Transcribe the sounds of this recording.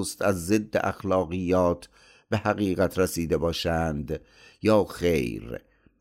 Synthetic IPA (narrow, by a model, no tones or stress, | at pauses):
st̪æzːed̪ːḛʔæ̰xlɒːɣijːɒːt̪ʰ | b̥ehæɣiːɣæt̪ʰɾesiːd̪e̞bɒːʃænd̪ | jɒːxḛjɾ